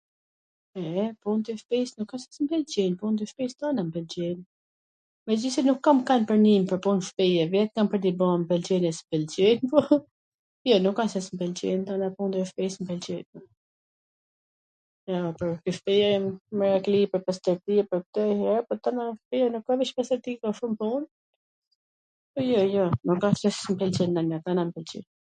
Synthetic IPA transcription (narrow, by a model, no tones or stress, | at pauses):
ɛpunt̪ɛfpɛsnukːasɛ̥smbɛld͡ʒɛnpunt̪əʃpɛst̪anambɛld͡ʑɛn | mɛd͡ʒisɛnukːamkːanpəɾnimpəɾpunʃpɛjɛvjɛt̪̚kampəɾd̪ibɔmbɛld͡ʒɛnɛsbɛlt͡ʃɛnpɔ | jɔnukːansɛsmbɛlt͡ɕɛnt̪anapund̪ɛʃpɛsmbɛlt͡ɕɛn | jɔpɔɾkyʃpɛjɛmməɾaklipəɾpast̪ɛɾt̪iɛpəɾk̚t̪ɛhɛɾpɔt̪anafpijɛnukkaviʃpast̪ɛɾt̪ikɔʃumpun | pɔjɔjɔnukːasɛsmpɛlt͡ʃɛnanat̪anampɛlt͡ʃḭn